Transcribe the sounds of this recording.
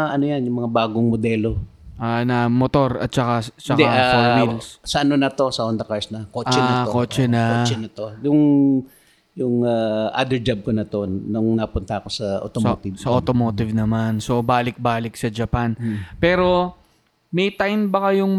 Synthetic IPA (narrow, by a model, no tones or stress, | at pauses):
ʔɐnojanjʊŋmɐŋabaːɡoŋmod̪ɛːlo̞ʔanɐmot̪o̞ɾɐ̰t̪̚t͡ʃɐkat͡ʃɐkd̪ɛaasɐmilssɐʔɐnonɐt̪o̞sɐond̪ɐkaɹsnɐkoːɛnɐokoːt͡ʃɛnɐot͡ʃɛnɐt̪ojʊŋ | jʊŋaʔa̰ːd̪ɛɹd͡ʒab̚konɐt̪onʊŋnɐpʊnt̪ɐɐkosɐʔo̰t̪ot̪ɪsɐʔot̪omoːt̪ɪvnɐmanso̞baːlɪk̚baːlɪk̚sɐd͡ʒɐpanpɛːɾo̞ | mɛjt̪ajnbɐkɐjʊŋ